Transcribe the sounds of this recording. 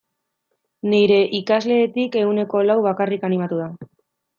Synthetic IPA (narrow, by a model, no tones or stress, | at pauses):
niɾe̞ʔikazle̞ːt̪ike̞ɣune̞ko̞lawβakarikanimat̪uða